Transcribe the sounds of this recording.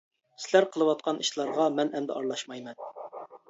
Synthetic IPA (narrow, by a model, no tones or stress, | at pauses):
sɪlæɾqʰəlˠɨwɑt̪̚qʰɑniʃlˠɑɾʁɑmɛnɛmd̪ɛ̰ɑɾlˠɑʃmɑjmɛn